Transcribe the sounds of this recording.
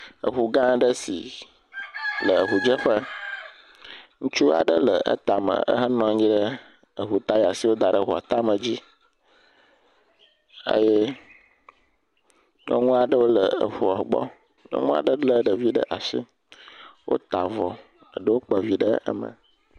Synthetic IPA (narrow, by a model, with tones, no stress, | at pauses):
ə̰˨ɦu˨ɡã˦ɖə˦si˨ | lə˨ə˨ɦu˨d͡ʒə˦ɸə˦ | ŋũ˦t͡ʃu˦a̰˨ɖə˦lə˨ʔə̰˦t̪a˨mə̰̃˨ə̰˦ɦə˦nɔ̃˦ɲĩ˦ɖə˦ | ə˨ɦu˨t̪a˦ja˨si˨˦wo˦d̪a˨ɖə˦ɦu˨a̰˨t̪a˦mə̃˨d͡ʑi˦ | ə̰˦je˦ | ɲɔ̰˦ŋũ˦a˨ɖə˦wo˦lə˨ə˨ɸu˨a˨ɡ͡bɔ̰˦ | ŋɔ̰˦ŋũ˦a̰˨ɖə˦ɖlə˦ɖə˨vi˦ɖə̰˦ʔa˨sḭ˦ | wʔo̰˦t̪a˨vɔ˨ | ə˨ɖə˦wo˦k͡pə˨vi˦ɖə˦ə̰˦mə̰̃˨